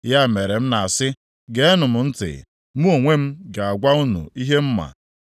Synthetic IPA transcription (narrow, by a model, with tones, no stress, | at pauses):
ja˦˨me˨ɾe˨m̩˦na˨a˨sɪ˦ | ɡe˨e˦nʊ˨m̩˨n̩˦tɪ̰˨ | mu˦o˨ŋʷe˦m̩˦ɡa˨a˨ɡʷa˦u˦nṵ˨i˦ɦe˦m̩˦ma̰˨